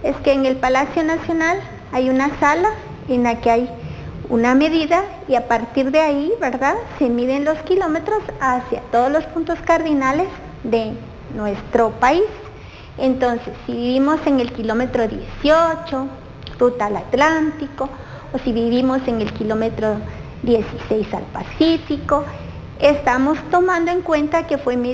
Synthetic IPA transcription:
eskeːŋelpalasjonasjonal | ajunasala | enlakeajṵnameðiða | iapaɾt̪iɾðeaiβeɾðasemiðenloskilomet̪ɾosasja̰t̪oðozlospunt̪oskaɾðinales | d̪e | nwest̪ɾopais | ent̪onsesːiβiβimoseŋelkilomet̪ɾoðjesiot͡ʃo | rut̪alat̪lant̪ikoː | siβiβimoseŋelkilomet̪ɾo | d̪jesisejsa̰lpa̰sifiko | est̪amost̪omand̪oeŋkwent̪akefwem

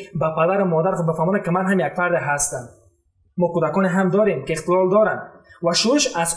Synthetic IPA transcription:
bapad̪aɾɪmɔd̪aɾχubɪfamɔnad̪̚kimanɦamjaɡfaɾd̪eɦast̪am | mɔkud̪akɔneɦamd̪ɔɾemkiːχt̪ɪlɔld̪ɔɾand̪vaʃuɾiʃaz

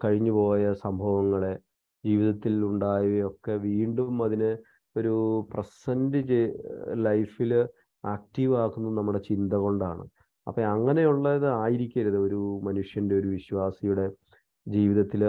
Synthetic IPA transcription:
kɐɻiɲːupo̞ːjɐsɐmbʱɐʋɐŋːɐɭe | d͡ʑiːʋiðɐt̪ːiluɳɖaːjijo̞kːe̞ʋiːɳɖumɐðinɨ | o̞ɾuprɐsɐndɨd͡ʑelɐjfil | aːk̚ʈiʋaːkunːɐðɨnɐmːuɽe̞t͡ɕind̪ɐɣo̞ɳɖa̰ːɳɨ̰ | ɐ̰pːɐɐŋːɐne̞juɭːɐðɨaːjiɾikʲːɐɾuðɨo̞ɾumɐnuʂjɐnde̞o̞ɾuʋiɕwaːsijuɽe̞ | d͡ʑiːʋiðɐt̪ːil

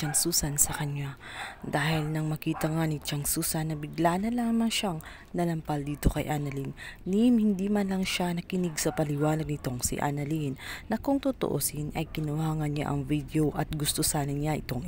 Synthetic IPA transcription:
ɐŋsuːsɐnsɐkɐɲad̪aːhɪlnɐŋmɐkiːt̪ɐŋanɪt͡ʃɐŋsuːsɐnːɐbɪɡlanɐlaːmɐŋʃaŋ | nɐlɐmpɐld̪iːt̪o̞kɐjʔanɐlinːimhɪnd̪imɐnlɐŋʃanɐkɪnɪɡsɐpɐlɪwaːnɐɡ̚nɪt̪o̞ŋsḭʔa̰nɐlinːɐkʊŋt̪ʊt̪oʔosinʔɐjkɪnʊhaːŋɐnɲa̰ʔɐŋvid̪eo̞ʔɐt̪̚ɡʊst̪osaːnɐɲɲaʔɪ̰t̪o̞ŋ

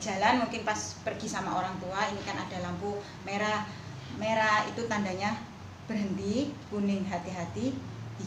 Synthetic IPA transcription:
d͡ʒ̥a̤lanmuŋkɪnpaspərɡisamaoɾaŋt̪uainikanad̥a̤lampu | meɾa | meɾait̪ut̪andaɲa | b̥ərɦənt̪ikunɪŋɦat̪iɦat̪i

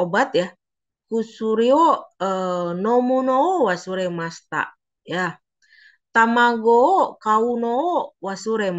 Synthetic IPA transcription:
obat̪̚ja | kusuɾioənomunoːwasuɾemast̪a̰ʔ | ja | t̪amaɡoːkaunoːwasuɾem

